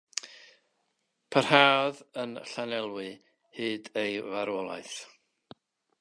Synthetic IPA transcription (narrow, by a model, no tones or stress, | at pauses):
pʰərhaːðənɬanɛlˠwɨ | hɨːdejvaɾwɔlˠa̰jθ